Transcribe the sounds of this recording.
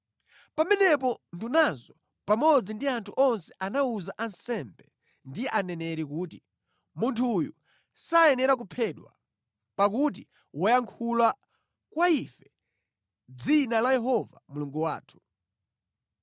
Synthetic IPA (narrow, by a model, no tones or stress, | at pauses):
pamɛnɛpɔndunazɔ | pamɔd͡zindiantʰuʔɔnsɛ̥ʔanauzaʔansɛmbɛ | ndiɛʔanɛnɛɾikuːti | muntʰujṵ | saɛnɛɾak̬upʰɛɗwa̰ | pak̬ut̬i | wɔjaŋkʰula | kwaifɛ | d͡zinalajɛɦɔva̰muluŋɡuwa̰ːtʰu̥